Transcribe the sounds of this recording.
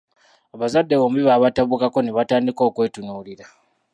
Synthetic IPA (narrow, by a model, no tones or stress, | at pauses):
aβazadːe̞βoːmuβiβaːβataβukako̞neβataːndiko̞ːkwe̞ːtunuːliɾa